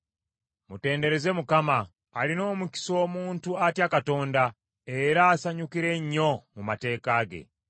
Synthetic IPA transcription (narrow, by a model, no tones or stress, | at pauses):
mute̞ːnde̞ɾe̞ze̞mukamaː | lino̞ːmuki̥so̞ːmuːntuatjakato̞ːnda | e̞ɾaːsaɲukiɾe̞ɲːo̞mumate̞ːkaːɡe̞̰